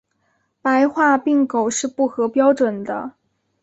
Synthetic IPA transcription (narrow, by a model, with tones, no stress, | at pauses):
pa˧˥ɪxwa˥˧pi˥˩ŋko˨˩ʊʂɻ̩˥˧pu˥˩xɤ˧˥pjɑ˥ʊʈ͡ʂwə˨˩nd̪ə̰˦